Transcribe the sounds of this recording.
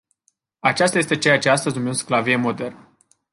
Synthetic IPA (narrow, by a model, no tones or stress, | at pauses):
at͡ʃas̬t̪aje̞st̪e̞t͡ʃejat͡ʃe̞ast̪əzʲnumesklavijemo̞d̪e̞rnə